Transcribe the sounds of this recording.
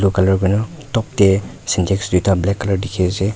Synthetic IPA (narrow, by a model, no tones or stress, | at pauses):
lukalɔɹɡɔnɔ | tɔp̚te | sintʰeksdujtʰablɛkːalɔɹdikʰese